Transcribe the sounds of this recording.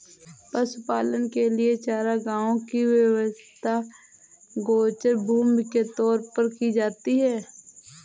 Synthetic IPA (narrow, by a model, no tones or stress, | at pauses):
pəsʊpaːlənkelɪet͡ʃaːɾaɡãːõkiwjəwəst̪ʰa | ɡoːt͡ʃəɾbʱuːmket̪ɔːɾpəɾkid͡ʒaːt̪iɦɛː